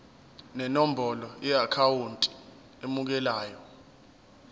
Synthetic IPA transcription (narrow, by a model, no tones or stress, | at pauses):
nɛnɔm̩bʱɔlɔjɛakʰawuntʼi̥ | emuk̬ɛlaːjɔ